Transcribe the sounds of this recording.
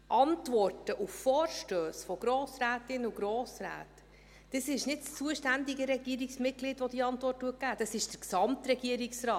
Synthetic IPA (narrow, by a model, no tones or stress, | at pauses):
ʔɑntʋɔrtəʔuffɔːɾʃtøːsfɔɡ̥ɾoːsɾæːtɪnuɡɾoːsɾæ̰ːt | d̥əsɪʃnɪtst͡suəʃtændiɡəɾɛɡ̥iəɾiksmɪɡ̥liːtʋɔd̥iɑntʋɔrtːuət̚ɡ̥æːd̥ɑsɪʃd̥əɾksɑmtɾɛɡiəɾiksrɑːt